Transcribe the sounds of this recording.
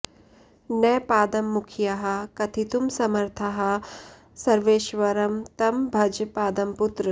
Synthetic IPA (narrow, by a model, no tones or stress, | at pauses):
nɐːpaːd̪ɐmːukʰjɐɦɐ̆kɐt̪ʰit̪umsɐmɐɾt̪ʰɐɦɐ̆ | sɐɾʋeːʃʋɐɾɐmt̪ɐmbʱɐd͡ʒpaːd̪ɐmput̪ɾɨ